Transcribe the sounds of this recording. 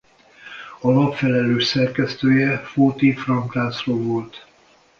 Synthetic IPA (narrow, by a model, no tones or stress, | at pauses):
ɒlɒpfɛlɛløːʃsɛrkɛst̪øːjɛfoːt̪ifrɒŋklaːsroːvo̞lt̪